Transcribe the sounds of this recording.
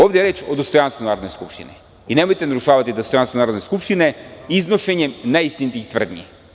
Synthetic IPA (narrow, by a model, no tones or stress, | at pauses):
ovd̪ɛɾɛt͡ʃod̪ost̪ojanst̪vonaɾod̪nɛskupʃt̪ḭnɛ | inɛmojt̪ɛnaɾuʃavat̪id̪ost̪ojanst̪vonaɾod̪neskupʃt̪inɛiznoʃɛɲɛmnaist̪init̪iit̪vr̩d̪nḭjɛ